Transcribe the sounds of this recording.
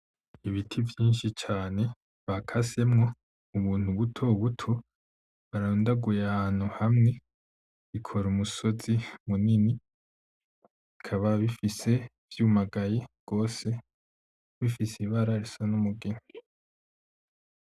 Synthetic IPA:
iβitʰivjiːnʃit͡ʃaːne̞ | βakʰase̞mŋo̞ | uβuːn̥uβutʰo̞βutʰo̞ | βaɾaɾuːndaɡujeahan̥uhamŋe̞ | βikʰo̞ɾumuso̞zimunini | βikʰaβaβifise̞ | vjuːmaɡajeɡ̥o̞ːse̞ | βifisiβaːɾaɾisonumuɡee

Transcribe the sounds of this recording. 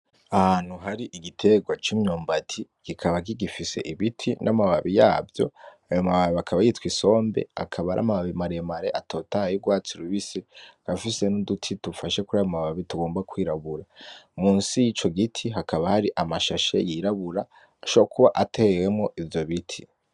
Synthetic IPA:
ahan̥huɦaɾiʔiɡitʰe̞ɡwat͡ʃimɲoːmbatʰiɡ̥ikʰaβaɡ̬iɡifise̞̰ʔiβitʰinʔamaβaβijaːbjo̞̰ajo̞maβaβiakʰaβajitwiso̞ːmbe̞̰a̰kʰaβaɾʔa̰maβaβimaɾemaɾe̞ʔatʰo̞tahjiɾɡwaːt͡siɾuβisiɡ̥afise̞nudutʰitufaʃe̞kuɾajomaβaβituɡo̞ːmbakwiːɾaβuɾamuːnsijit͡ʃo̞ɡitʰiɦakaβahaɾiʔamaʃaʃḛjiɾaβuɾaː | ʃaokuβaʔatʰeewe̞mŋo̞ʔivjo̞βitʰi

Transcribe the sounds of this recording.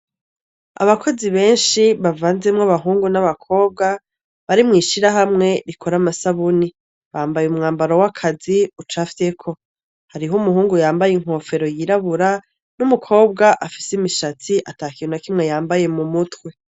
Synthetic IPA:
a̰βakʰo̞ziβe̞ːnʃiβavaːnzemŋaβaɦuːŋɡunaβakʰo̞ːb̚ɡa | βaɾimŋiːʃiɾaɦamŋe̞ɾikʰoɾamasaβuni | βaːmbajumŋaːmbaɾowakʰaziut͡ʃafi̥tekʰo̞ | haɾiɦumuɦuːŋɡujaːmbajeŋ̥ho̞ːfe̞ɾo̞jiɾaβuɾa | numukʰo̞ːb̚ɡaʔafi̥simiʃat͡siʔataːkinakimŋe̞jaːmbaje̞mumutwe̞

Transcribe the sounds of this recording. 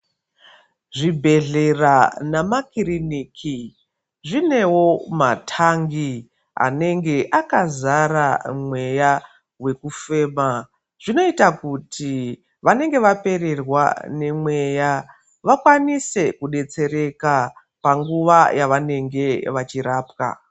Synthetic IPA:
ʐibʱe̞ɮe̞ranamakiriniːkʰi | ʐine̞wo̞matʰaŋɡi | a̰ne̞ŋɡe̞ʔakazaɾamwe̞ja | we̞kufe̞ːma | ʐ̥ino̞itakutʰi | ʋane̞ŋɡe̞ʋape̞re̞rwa̰ne̞mwe̞ja | ʋakwanise̞kuɗe̞t͡se̞ɾe̞ka | paŋɡuʋajʔaʋane̞ŋɡe̞ʋat͡ʃiɾaːpka̰

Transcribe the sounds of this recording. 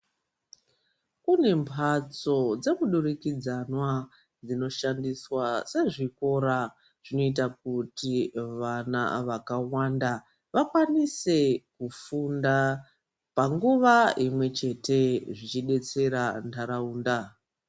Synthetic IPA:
kune̞mpʰat͡so̞d͡ze̞muɗurikid͡zanwa | d͡zino̞ʃandiswase̞ʐiko̞ɾa | ʐ̥ino̞it̬akutiʋana̰ʋakawanda | ʋakwanise̞kufunda | paŋɡuʋaimwe̞t͡ʃe̞te̞ʐit͡ʃiɗe̞t͡se̞ɾandʰaɾauːnda

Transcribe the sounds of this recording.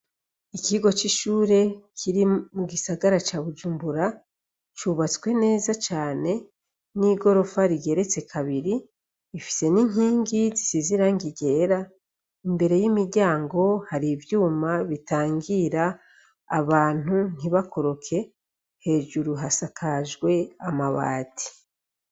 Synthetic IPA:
ikiɡo̞t͡ʃiʃuːɾe̞kʰiɾimuɡisaɡaɾat͡ʃaːβud͡ʒuːmbuɾa | t͡ʃuβat͡swe̞ne̞ːzat͡ʃaːne̞ | niːɡo̞ɾo̞faɾiɡe̞ɾe̞t͡se̞kʰaβiɾiː | fi̥se̞niŋ̥iːŋɡizisiziɾaŋɡiɡe̞ːɾa | imbe̞ɾe̞jimiɾɟaːŋɡo̞haɾivjuːmaβitaːŋɡiɾaː | βaːn̥un̥iβako̞ɾo̞kʰe̞ | he̞ːʒuɾuɦasakʰaʒɡwe̞amaβa̰ːti̥

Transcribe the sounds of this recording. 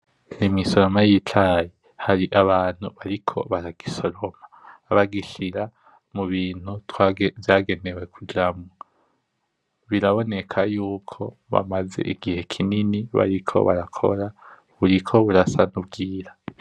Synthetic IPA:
nimiso̞ɾo̞majitʰaji | haɾiʔaβaːn̥huβaɾikʰo̞̰βaɾaɡ̥iso̞ɾo̞maβaɡiʃiɾa | muβiːn̥hutwvjaːɡe̞ne̞we̞kʰud͡ʒamŋa | βiɾaβo̞ne̞kʰajuːkʰo̞βa̰maze̞̰ʔiɡihe̞kʰininiβa̰ɾikʰo̞̰βaɾakʰo̞̰ɾa | βuɾikʰo̞βuɾasanubɡiːɾa

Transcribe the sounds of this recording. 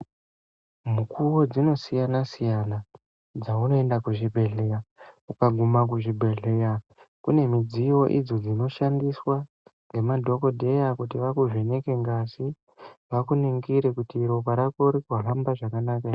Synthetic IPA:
mukʰuwod͡zino̞sijanasijana | d͡zauno̞e̞ndakuʐibʱe̞ɮe̞ɾaukaɡʱumak̬uʐibʱe̞ɮe̞ɾakune̞mid͡ziwo̞ʔḭd͡zo̞d͡zino̞ʃandiswa | ŋɡe̞madʱo̞ko̞dʱe̞jakutiʋakuʐineke̞ŋɡasi | ʋakuneŋɡiɾe̞kutiɾo̞kaɾako̞ɾikuɦambaʐakanaːka

